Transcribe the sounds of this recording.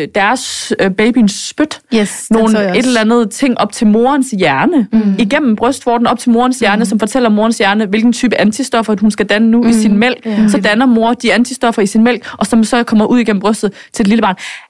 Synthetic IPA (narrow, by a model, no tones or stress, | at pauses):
d̥æɐsb̥eɪb̥insːb̥ød̥no̝ːn̩e̝d̥lɐlænð̞̩ˠt͡sʰe̝ŋ̰ʔɒ̽b̥t͡sʰe̝lmo̝ːɐnsjæɐnəiɡ̥en̰m̩b̥ʁœsd̥fɒ̰ːd̥n̩ɒ̽b̥̚t͡sʰe̝lmo̝ːɐnsjæɐnəsɒ̽mfɒ̽t͡sʰel̰ɐmo̝ːɐnsjæɐnəʋe̝lɡ̥n̩t͡sʰyːb̥əʔænt͡sʰisd̥ɒ̽fɐhunsɡ̥æd̥ænənuisinmel̰ɡ̥sɒ̽d̥ænɐmo̝ːɐd̥iænt͡sʰisd̥ɒ̽fɐisinmel̰ɡ̥ʔɒ̽sɒ̽msɒ̽kʰɒ̽m̰ɐʔuð̰ˠiɡ̥ḛm̩b̥ʁœsd̥ð̩ˠt͡sʰe̝d̥liləb̥ɑ̈ːn